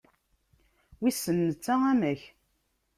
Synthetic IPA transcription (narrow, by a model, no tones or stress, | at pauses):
wisːənːət͡sːaæmæç